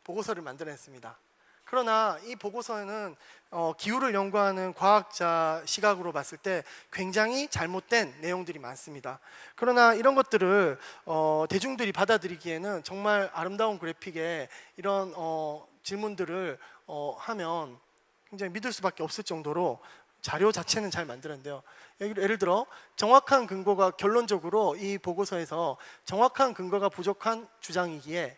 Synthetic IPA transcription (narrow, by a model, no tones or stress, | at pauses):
poɡosʰʌɾɯɭmandɯɾes͈ɯmɲida | kɯɾʌnaipoɡosʰʌe̞nɯnʌkiuɾɯɭjʌŋɡuɦanɯnkwaak̚t͡ɕ͈aɕʰiɡaɡɯɾomas͈ɯɭt͈e̞kwe̞ŋd͡ʑaŋit͡ɕaɭmot̚t͈we̞nːe̞joŋdɯɾimans͈ɯmɲidakɯɾʌnaiɾʌnɡʌt̚t͈ɯɾɯɭʌte̞d͡ʑuŋdɯɾipadadɯɾiɡie̞nɯnt͡ɕʌŋmaɾaɾɯmdaonkɯɾe̞pʰiɡe̞iɾʌnʌt͡ɕiɭmundɯɾɯɭʌhamjʌn | kwe̞ŋd͡ʑaŋimidɯɭs͈ubak͈eʌp̚s͈ɯɭt͡ɕ͈ʌŋdoɾo | t͡ɕaɾjot͡ɕat͡ɕʰe̞nɯnt͡ɕaɭmandɯnɯnde̞jojʌɡijeɾɯɭdɯɾʌt͡ɕʌŋwakʰankɯŋɡʌɡakjʌɭːond͡ʑʌɡɯɾoipoɡosʰʌe̞sʰʌt͡ɕʌŋwakʰankɯŋɡʌɡapud͡ʑokʰant͡ɕud͡ʑaŋiɡie̞